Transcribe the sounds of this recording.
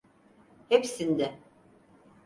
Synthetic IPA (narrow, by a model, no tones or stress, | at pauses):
hepsind̪ɛ